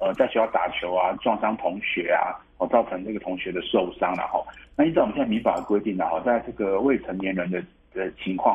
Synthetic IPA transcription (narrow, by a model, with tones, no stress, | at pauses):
ə˧˩t͡sa˥˩ɪt͡ɕʰjt̪a˨˩t͡ɕʰjo˧˥ʊa˧ʈ͡ʂwɑ˥˧ŋʂɑ˥ŋt̪ʰʊ˧˥ŋɕɥɛ˧˥a̰˧hɔ˥˩t͡sɑ˥˩ʊt͡sʰɤ˧˦ŋʈ͡ʂɤ˥˩ɡə˩t̪ʰʊ˧˥ŋɕɥɛ˧˥d̪ə˨ʂo˥˩ʊʂɑ˥ŋlɐ̰˨xɔ̰˥˩n˥˧i˥˧t͡s̪ɑ˥˩˨ɕmi˧˥ŋpa˨˩d̪ə˩kwe˥ɪt̪i˥˩ŋnə˩xɔ˥˩t͡sa˥˧ɪʈ͡ʂɤ˥˩ɡə˩we˥˩ɪt͡sʰə˧˦˥ŋnjɛ˧˥nɻə˧˥nd̪ə˧ | d̪̥ə˨t͡ɕʰi˧˥ŋkʰwɑ˥˨ŋ